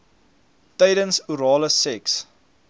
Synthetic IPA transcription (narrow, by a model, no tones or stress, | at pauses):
təjdənsuɾɑːləsɛks